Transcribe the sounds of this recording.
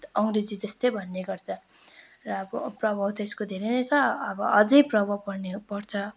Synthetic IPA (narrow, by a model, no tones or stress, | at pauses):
ʌŋɡred͡zid͡zʌst̪ʌjbʱʌnːeɡʌrt͡sʰʌ | rʌːbʌprʌbʱawt̪ʰʌeskod̪ʱeɾʌnʌjt͡sʰʌʌbʌʌd͡zʌjprʌbʱʌwpʌrnepʌrt͡sʰʌ